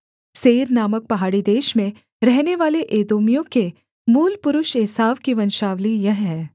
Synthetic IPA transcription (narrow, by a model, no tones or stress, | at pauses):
seːɾnaːmək̚pɐɦaːɽid̪eːʃmẽ | ɾɛɦneʋaːleʔeːd̪oːmijõke | muːlpʊɾʊʃeːsaːʋkiʋɐnʃaːʋlijɐɦɦɛː